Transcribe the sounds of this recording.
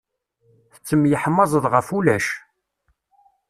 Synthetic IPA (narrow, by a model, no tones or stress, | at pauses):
θə̥t͡sːəmːjəħəmːɑzˤəðˤʁəfulæʃ